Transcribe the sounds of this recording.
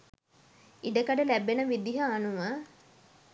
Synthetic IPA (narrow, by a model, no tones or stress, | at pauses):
iɖəkəɖəlæbenəʋid̪iɦəanuʋə